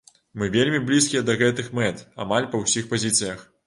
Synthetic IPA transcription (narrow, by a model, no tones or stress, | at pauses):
mɨvʲelʲmʲiblʲiskʲijɛd̪ɐɣɛt̪ɨxmɛt̪a̰malʲpɐwsʲixpazʲit̪sɨjɐx